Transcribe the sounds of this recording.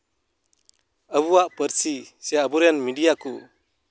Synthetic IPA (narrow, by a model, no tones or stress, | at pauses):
əbuwaʔpəɾsisijaəbuɾɛnmiɖijaku